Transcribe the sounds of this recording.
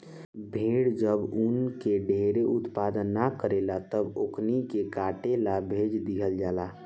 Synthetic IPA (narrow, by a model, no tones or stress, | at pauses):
bʱeɽd͡ʒəbunkeɖʱeɾeut̪pad̪ənːakəɾelat̪əboknikekaʈelabʱed͡ʒd̪iɦəld͡ʒala